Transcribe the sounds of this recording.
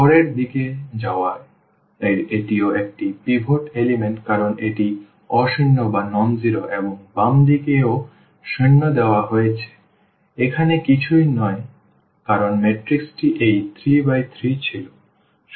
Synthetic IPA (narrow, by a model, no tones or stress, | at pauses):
ɔɾeɾd̪iked͡ʑaoa | eɾeʈioek̚ʈipibʱoʈelimeɳʈkaɾonʔeʈi | ɔʃinːobanɔnd͡ʑiɾoʔeboŋbamd̪ikeo | ʃinːod̪eoaɦojet͡ɕʰe̥ | ekʰanekit͡ɕʰujnɔe | kaɾonmeʈɾiksʈiʔejt̪ʰɾibajt̪ʰɾit͡ɕʰilo